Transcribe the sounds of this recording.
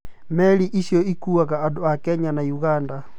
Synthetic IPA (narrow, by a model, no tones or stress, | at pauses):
mɛliʔisjɔikuakaːdoakɛɲanajuɣanda